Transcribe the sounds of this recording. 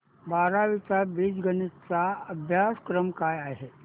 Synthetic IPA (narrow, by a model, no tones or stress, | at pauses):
baːɾaʋit͡sabiːd͡zɡənit͡saəbʱjaskɾəmkajaɦe